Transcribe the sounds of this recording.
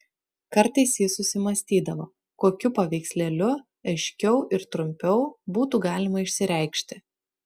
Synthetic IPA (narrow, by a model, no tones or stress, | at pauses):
kɐɾt̪ɐɪsjɪsʊsʲɪmɐsʲt̪ʲiːd̪ɐʋoː | koːkʲʊpɐʋʲɛɪksʲlʲɛlʲʊ | ɐɪʃʲkʲɛʊʔɪɾt̪ɾʊmʲpʲɛʊbuːt̪uːɡɑːlʲɪmɐɪʃʲsʲɪɾʲɛɪkʃʲt̪ʲɪ